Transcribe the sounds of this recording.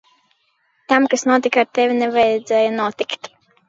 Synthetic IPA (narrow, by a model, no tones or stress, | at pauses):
t̪amkasnuɔt̪ikaɾt̪ɛvʲinɛvajɛd̪zɛːjanuɔt̪ikt̪